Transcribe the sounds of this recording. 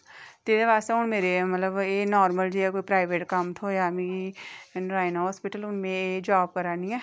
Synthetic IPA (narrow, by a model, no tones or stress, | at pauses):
t̪eːɾeʋaːst̪eʊɳmeːɾemɐt̪ləbeːnɔːɾməld͡ʒiɦɛkoːipɾaːɪʋeːʈkɐmt̪ʰojamĩiɾaːɪnɦɦɔːspɪʈəlʊnmẽeːd͡ʒaːb̚kɐɾaːniɛː